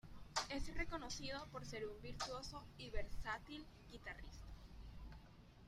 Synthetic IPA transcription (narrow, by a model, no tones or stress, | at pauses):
esrekonoθið̞opoɾseɾumbiɾt̪wosoiβeɾsat̪il | ɡit̪arḭst̪ḁ